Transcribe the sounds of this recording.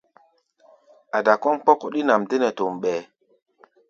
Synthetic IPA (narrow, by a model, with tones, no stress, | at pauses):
a˨da˨kɔ˦mk͡pɔ˦kɔ˨ɗi˦na˨mde˦ne˨to˨mɓɛː˨